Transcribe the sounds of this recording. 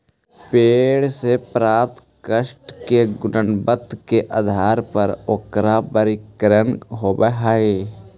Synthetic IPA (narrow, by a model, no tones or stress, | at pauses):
peːɽsepɾaːt̪ | kəʃʈkeɡʊnənbət̪ːkeʔad̪ʱaːɾpəɾokɾapəɾɪkɾənɦoːbəɦaːeː